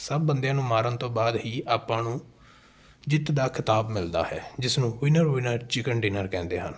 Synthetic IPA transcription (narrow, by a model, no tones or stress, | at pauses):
səb̚ːənd̪ejãːnũːmaːɾənt̪õːbaːd̪ɦiːʔaːpːãːnũː | d͡ʒɪt̪d̪aːkʰɪt̪aːbmɪld̪a̰ːhɛːd͡ʒɪsnũːʋɪnəɾʋɪnəɾt͡ʃɪkənɖiːnəɾkɛ̃ːnd̪eːɦən